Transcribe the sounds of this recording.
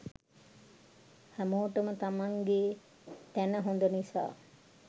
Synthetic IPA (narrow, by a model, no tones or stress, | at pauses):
hæmoːʈəmət̪amaŋɡe | t̪ænəɦond̪ənisa̰ː